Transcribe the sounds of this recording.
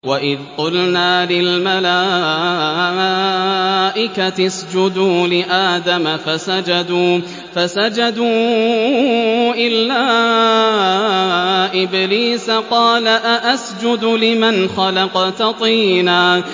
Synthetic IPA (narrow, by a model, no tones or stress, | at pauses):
waʔɪðq̪ˤʊlnaːlɪlmalaː | ʔɪkat̪ɪsd͡ʒʊd̪uːlɪʔaːd̪amafasad͡ʒad̪uː | fasad͡ʒad̪uː | ʔɪlːaː | ʔɪbliːsaqɑːlaʔaʔasd͡ʒʊd̪lɪmanxɑlɑqɑt̪ɑt̪ˤiːnaː